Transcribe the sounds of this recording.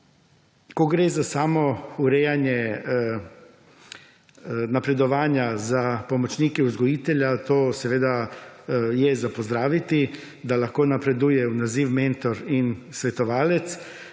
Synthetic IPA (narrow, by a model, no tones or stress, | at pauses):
koɡɾeːzasaːmɔuɾɛjanjɛ | napɾɛd̪ɔʋaːnjazapɔmɔt͡ʃniːkɛuzɡɔjiːt̪ɛljat̪oːsɛʋeːd̪a | jɛzapɔzd̪ɾaːʋit̪i | d̪alaxkoːnapɾɛd̪uːjɛunaziːwment̪ɔɾinsʋɛt̪ɔʋaːlɛt̪s